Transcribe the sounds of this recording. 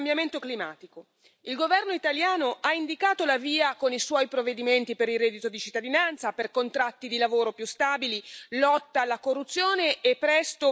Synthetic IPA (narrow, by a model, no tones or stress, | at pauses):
mbjament̪oklima̰ːt̪iko | ilɡovɛrnoit̪aljaːnoʔaind̪ikaːt̪olaviːakoniswɔjpɾovːed̪iment̪ipeɾiːɛd̪it̪od̪it͡ʃit̪ːad̪inant̪saperkont̪ɾat̪ːid̪ilavoːɾopjust̪aːbililɔt̪ːaːlːakorːut̪sːjoːneepːɾɛst̪o